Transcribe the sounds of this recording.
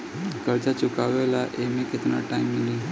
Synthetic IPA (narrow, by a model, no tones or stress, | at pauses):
kəɾd͡zat͡ɕukaʋɛlaʔemiket̪na̰ʈaimːili